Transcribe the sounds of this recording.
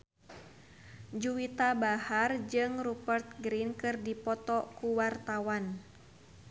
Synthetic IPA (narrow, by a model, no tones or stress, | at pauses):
d͡ʒuwit̪abahard͡ʒɨŋrubərt̪̚ɡɾinkɨrdipɔt̪ɔkuwart̪awan